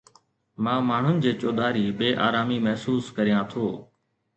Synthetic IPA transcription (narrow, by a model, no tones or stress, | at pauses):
mãːmaːɳ̤ʊnɪ̆d͡ʑeːt͡ɕoːd̪aːɾiːɓeːʔa̰ːɾaːmiːmɐɦsuːskəɾɪjãːt̪ʰoː